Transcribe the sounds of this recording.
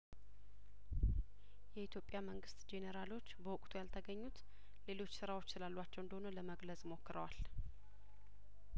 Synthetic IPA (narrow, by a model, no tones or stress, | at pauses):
jɛit̪ʰjo̞pʼːjaməŋɡɨst̪d͡ʒe̞nəɾalo̞t͡ʃːbəwʊkʼt̪ʰujalt̪ʰəɡəɲːut̪ | le̞lo̞t͡ʃːsɨɾawo̞t͡ʃːsɨlalːuat͡ʃːɛwɨnd̪əhonələməɡləzmo̞kːɨɾəwal